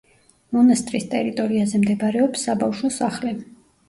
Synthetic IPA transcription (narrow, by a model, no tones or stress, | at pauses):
mɔnast̪ʼɾist̪ʼɛ̰ɾit̪ʼɔɾiazɛmd̪ɛbɾɛɔpsːabafʃɔsaχlɛ